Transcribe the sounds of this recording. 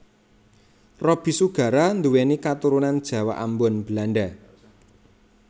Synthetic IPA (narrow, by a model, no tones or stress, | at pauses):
rɔb̥i̤suɡ̥ä̤ɾand̪uwenikat̪uɾunand̥ʒ̥ä̤wa̰ʔambɔnb̥əlanɖa